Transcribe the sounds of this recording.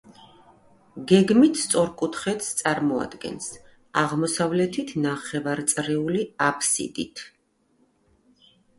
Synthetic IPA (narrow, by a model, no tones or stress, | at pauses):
ɡɛɡmit̪ʰst̪sʼɔɾkʼut̪ʰχɛt̪st̪sʼaɾmɔa̰d̪ɡɛ̰ns | aʁmɔsavlɛt̪ʰit̪ʰnaχɛvaɾt̪sʼɾɛuliapʰsḭd̪ḭt̪ʰ